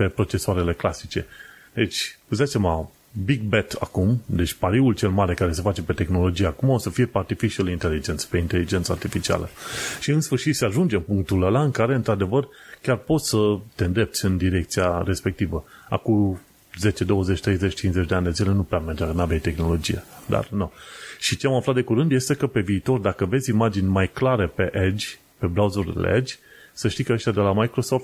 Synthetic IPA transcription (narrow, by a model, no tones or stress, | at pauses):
pe̞pɾo̞t͡ʃe̞soaɾe̞le̞klasit͡ʃe̞ | d̪̥e̞t͡ʃʲuzasema | biɡ̚bet̪ʰa̰kumd̪e̞t͡ʃʲpaɾiult͡ʃe̞lmaɾekaɾe̞se̞fat͡ʃe̞pe̞t̪e̞xno̞lo̞d͡ʒijakumaosəfije̞part̪ifit͡ʃielint̪e̞lid͡ʒenspe̞int̪e̞lid͡ʒe̞nt̪səart̪ifit͡ʃia̰lʔəʃiɨnsfɨrʃit̪seaʒund͡ʒe̞mpuŋk̚t̪uləlaɨnkaɾe̞ɨnt̪ɾad̪e̞vər | kʲarpo̞t̪sʲsət̪e̞nd̪e̞p̪̚sʲɨnd̪iɾe̞k̚t̪siaɾe̞spe̞k̚t̪ivə | a̰ku | ze̞t͡ʃe̞d̪o̞wəzet͡ʃʲt̪ɾe̞jzet͡ʃʲt͡ʃinzet͡ʃʲd̪eand̪e̞zile̞nupɾeamerd͡ʒakənavejt̪e̞xno̞lo̞d͡ʒijed̪a̰rnoʃit͡ʃe̞amaflat̪d̪e̞kuɾɨnd̪je̞st̪e̞kəpe̞viːt̪o̞rd̪akəve̞zʲimad͡ʒinʲmajklaɾepe̞ʔed͡ʒ | pe̞bɾawzur̰lḛd͡ʒʲsəʃt̪ikəəʃt̪ʲad̪e̞lamajkɾo̞so̞ft̪